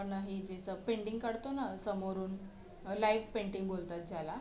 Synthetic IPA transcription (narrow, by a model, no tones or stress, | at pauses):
ənaɦid͡ʑesəpeɳɖiŋɡkəɽt̪onasəmoɾuːn | laiʋpeɳʈiŋɡbolt̪at̪̚d͡ʑjala